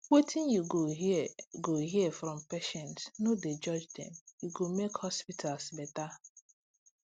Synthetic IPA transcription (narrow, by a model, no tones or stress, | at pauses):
wetʰĩnjuɡo | ɡoɦiɛfɾɔ̃mpeʃɛ̃ntsnoded͡ʒɔd͡ʒdɛ̰̃mjuɡomekhɔspitʰalsbɛta